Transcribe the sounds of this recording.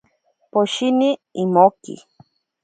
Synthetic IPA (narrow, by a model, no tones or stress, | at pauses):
poʃiniːmokḭ